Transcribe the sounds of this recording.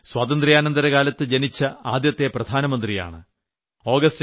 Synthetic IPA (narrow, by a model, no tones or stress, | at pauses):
swaːt̪ɐnd̪rijaːnɐnd̪ɐɾɐɣaːlɐt̪ːɨd͡ʑenit͡ɕːɐaːd̪jɐt̪ːeprɐd̪ʱaːnɐmɐnd̪rija̰ːɳɨ̰ | o̞ːɡɐst